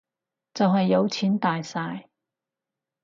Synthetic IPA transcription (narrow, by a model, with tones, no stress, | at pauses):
t͡sɐ˨wɦɐ˨jːɐ˨˧wt͡sʰiː˨˥nt̪aː˨jsaː˧j